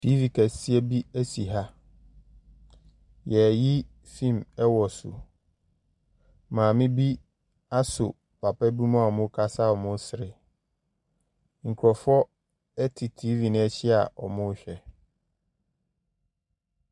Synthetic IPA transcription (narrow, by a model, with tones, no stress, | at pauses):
tʰi˦vi˨kʰæ˨si˦ɛ˦bi˦æ˦si˨ɦa˦ | jɛ˨ji˦ | fĩ˦˨mɛ˦wɔ˨sʊ̰˨ | mãː˨mɪ̃˦bi˦ | a˦sʊ̰˨ | pʰa˨pɛ˦bu˦mã˦a˨mʊ̃˦kʰa˦sa˦ɔ˨mʊ̃˦sɪ˨ɾɪ˨ | ŋ̩˨kʰɾɔ˨fɔ˦ | ɛ˦tʰɪ˨tʰi˦vi˨nɪ̃˦ɛ˦ɕɪ˦a̰˨ʔɔ̰˨mʊ̃˦ɕᶣɛ˨